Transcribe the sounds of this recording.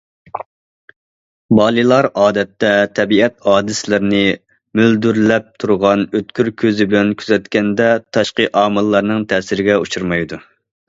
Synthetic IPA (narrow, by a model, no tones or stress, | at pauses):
bɑːlˠɨlˠɑɾɑːd̪ɛt̪ːɛt̪ʰɛbiɛt̪hɑːd̪ɨslɪɾnɪ | myld̪yɾlɛp̚t̪ʰuɾʁɑnøt̪̚kʲʰyɾkʲʰøzɪbɪlɛnkʲʰyzɛt̪kʲɛnd̪ɛt̪ʰɑʃqəʔɑːmɨlˠːɑɾnɨŋt̪ʰɛːsɪɾɪɡʲɛut͡ʃʰuɾmɑjd̪u